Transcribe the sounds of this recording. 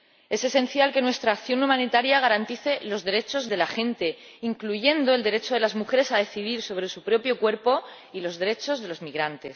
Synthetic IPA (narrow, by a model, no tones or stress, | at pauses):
e̞se̞se̞nθjalke̞nwe̞st̪ɾaːkθjo̞numãnit̪aɾjaɣ̞aɾant̪iθe̞lo̞zðe̞ɾe̞t͡ʃo̞zðe̞laxẽ̞nt̪e̞ | iŋkluʝe̞nd̪o̞e̞ld̪eɾe̞t͡ʃoðe̞lazmuxe̞ɾe̞saðe̞θiðiɾso̞β̞ɾe̞supɾo̞pjo̞kwe̞ɾpo̞ | ilo̞zðe̞ɾe̞t͡ʃo̞zðe̞lo̞zmiɣ̞ɾant̪e̞s